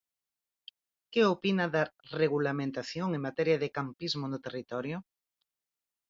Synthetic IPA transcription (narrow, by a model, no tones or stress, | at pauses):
keopinaðareɣulamẽnt̪aθjoŋeŋmat̪ɛɾjaðɪkampizmʊnʊt̪erit̪ɔɾjʊ